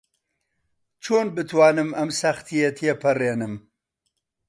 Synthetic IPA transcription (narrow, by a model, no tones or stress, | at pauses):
t͡ʃʰoːnbɨt̪ʰwɑːnɨmɐmsɐxt̪ʰijet̪ʰjepʰɐreːnɨm